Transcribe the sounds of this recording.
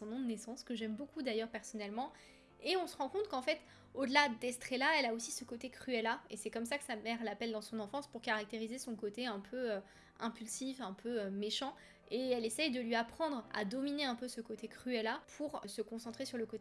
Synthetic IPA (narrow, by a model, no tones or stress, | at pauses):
sɔ̃nɔ̃d̪ənesɑ̃skəʒɛmbokud̪ajœʁpɛʁsɔnɛlmɑ̃ | eɔ̃səʁɑ̃kɔ̃t̪kɑ̃fɛt̪ | od̪əlad̪ɛst̪χɛlaɛlaosisəkot̪ekχyɛlaesɛkɔmsakə̥samɛʁlapɛld̪ɑ̃sɔ̃nɑ̃fɑ̃spuʁkaʁak̚t̪eʁizesɔ̃kot̪eɛ̃pʰøø | ɛ̃pylsifɛ̃pʰøømeʃɑ̃ | eɛlesɛjd̪əlɥiapχɑ̃d̪ʁa̰d̪ɔmineɛ̃pøsəkot̪ekχyɛlapʰuʁsəkɔ̃sɑ̃t̪χesyʁləkot̪